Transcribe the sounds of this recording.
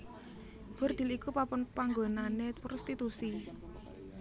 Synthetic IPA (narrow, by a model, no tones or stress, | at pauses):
b̥ʊrd̪̥i̤likupapɔnpaŋɡonanepɾʔɔst̪it̪usi